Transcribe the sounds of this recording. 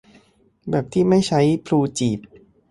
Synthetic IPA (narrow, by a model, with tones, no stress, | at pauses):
bɛː˨˩p̚t̪ʰiː˥˩ma˥˩jt͡ɕʰa˦˥jpʰluː˧t͡ɕiː˨˩p̚